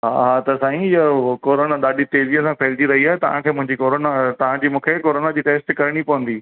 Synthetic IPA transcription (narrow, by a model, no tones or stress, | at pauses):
ɦa̰ɦat̪ɐsaːĩjɐkoːɾoːnaɗ̪aːɗit̪eːziə̃sãpʰeːld͡ʑiɾɐɦiaːɦet̪ɐʋ̤ãkʰeːmʊ̃ɦɪ̃ɲd͡ʑikoːɾoːnat̪ɐʋ̤ãd͡ʑiːmũːkʰekoːɾoːnad͡ʑiːʈeːsʈkɐɾɽ̃ipɐʋə̃nd̪iː